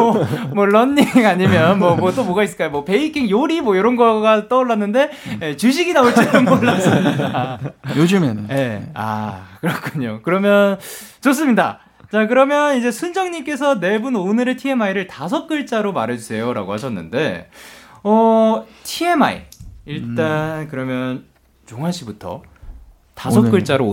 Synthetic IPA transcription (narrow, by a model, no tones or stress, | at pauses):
ʌmwʌɭʌnːiŋaɲimjʌnmwʌmwʌt͈omʌɡais͈ɯɭk͈ajomwʌpe̞ikʰiŋjoɾimwʌjoɾʌnɡʌɡat͈ʌoɭːanːɯnde̞jet͡ɕuɕ̬ʰiɡinaoɭt͈enɯmoɭːas͈ɯmididajod͡ʑimḛnje̞a̰kɯɾʌkʰuɲokɯɾʌmjʌnt͡ɕos͈ɯmɲida̰ | t͡ɕak̬ɯɾʌmjʌnid͡ʑe̞sʰund͡ʑʌŋɲimk͈e̞sʰʌne̞bunonɯɾetʰie̞maiɾɯɭtas̬ʰʌk̚k͈ɯɭt͡ɕ͈aɾomaɾɦe̞d͡ʑusʰe̞joɾa̰ɡohaɕʰʌnːɯ̰nde̞ | ʌtʰie̞ma̰ḭiɭɭt͈ankɯɾʌmjʌn | t͡ɕoŋɦaɕʰibutʰʌ̰ | tassʰʌkk͈ɯɭt͡ɕ͈aɾo